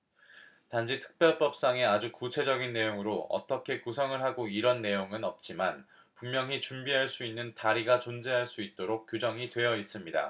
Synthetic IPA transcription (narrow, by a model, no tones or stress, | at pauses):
tand͡ʑʰitʰɯ̥k̚pjʌɭp͈ʌp̚s͈aŋe̞ad͡ʑukut͡ɕʰe̞d͡ʑʌɡinːe̞joŋɯɾoʌ̰t͈ʌkʰe̞kusʰʌŋɯɭɦaɡoiɾʌnːe̞joŋɯnʌp̚t͡ɕ͈iman | pummjʌŋit͡ɕumbiɦaɭs͈uinːɯntaɾiɡat͡ɕond͡ʑeɦaɭs͈uit̚t͈oɾok̚k͈jud͡ʑʌŋitwe̞jʌis͈ɯmɲida̰